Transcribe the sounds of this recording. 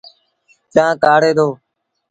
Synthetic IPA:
t͡ʃãːkaːɽeːd̪oː

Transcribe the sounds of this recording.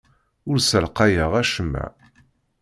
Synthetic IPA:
ʊɾsəlqajəʁæʃəmːæ̰

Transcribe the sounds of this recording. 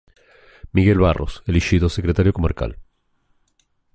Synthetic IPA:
miɣe̞lβarʔo̞̰selixiðosekɾet̪aɾjo̞koma̰ɾka̰l

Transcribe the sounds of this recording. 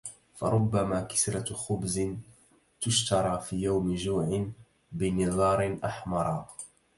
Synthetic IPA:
fɑ̰ɾˤʊbːamaːkɪ̥sɾˤɑxʊbzɪn | t̪ʊʃt̪ɑɾˤɑːfiːjawmɪʒuːʕɪn | bɪnɪðˤɑːɾˤɪnʔaħmɑɾˤɑː

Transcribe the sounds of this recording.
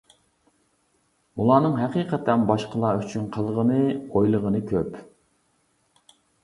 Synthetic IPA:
ulˠɑːnɨŋɦɛqiːqʰɛt̪ʰɛnbɑʃqʰəlˠɑːyt͡ʃʰynqʰəlˠʁənɨojlˠəʁənɨkʲʰøp

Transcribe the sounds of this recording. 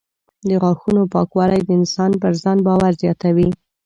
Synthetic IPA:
d̪əɣɑxunopɑkwɑlajd̪əɪnsɑnpəɾzɑnbɑwaɾzjɑt̪awi

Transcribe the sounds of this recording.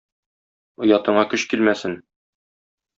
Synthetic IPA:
ŏjɑt̪ɤ̆ɴɑkɵɕkilmæsɘn

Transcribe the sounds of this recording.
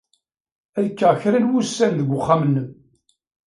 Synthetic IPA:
æðkːæçɾilwusːænðəɡʷːʊχːamənːəm

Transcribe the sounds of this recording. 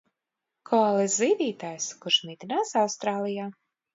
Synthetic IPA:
kʰɔalˠɛszd̪iːd̪ʲiːt̪aːjsku̥ʃmʲid̪ʲinaːsawst̪ɾaːlˠijaː

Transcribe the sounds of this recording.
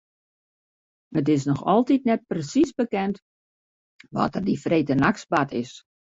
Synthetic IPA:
ətɪsnɔxɔlˠtit̚nɛt̚prəsisbəkɛnt | ʋɔ̰tərdifreːtənaksbatʰɪs

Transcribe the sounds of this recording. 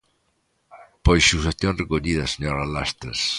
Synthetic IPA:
pojus̬eθjõnrekoʎiðɐseɲoɾalast̪ḛs

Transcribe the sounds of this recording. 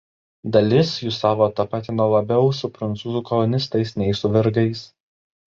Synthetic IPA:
d̪ɐlʲɪsjʊsɑːʋoːt̪ɐpɑːt̪ʲɪnolˠɐbʲɛʊsʊpɾɐnt̪suːzukɔlˠɔnʲɪst̪ɐɪsnʲɛɪsʊʋʲɛɾɡɐɪs

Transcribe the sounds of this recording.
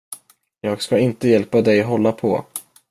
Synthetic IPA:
jɑːɡskaɪnt̪əjɛlpad̪ɛjɦɔlːapʰɔ̰

